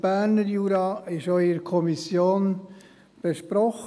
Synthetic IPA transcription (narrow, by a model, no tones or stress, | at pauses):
b̥æɾnəɾjuːɾɑːɪʃœʏəɾkʰɔmisjoːn | b̥ɛʃpɾɔχ